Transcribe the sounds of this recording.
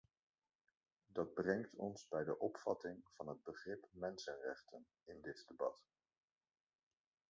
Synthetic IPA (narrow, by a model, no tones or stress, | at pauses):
dɑd̚brɛŋktʰɔ̰nzbɛjdəʔɔpfɑ̰tɪŋv̥ɑnɦəd̚bəχrɪpmɛnsənrɛχtən | ɪndɪtdebɑt